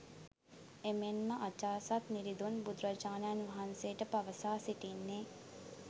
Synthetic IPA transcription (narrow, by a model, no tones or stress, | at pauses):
emenməʔat͡ʃaːsat̪niɾid̪unbud̪ɾət͡ʃaːnəjanʋɐɦanseːʈəpaʋəsaːsiʈinːeː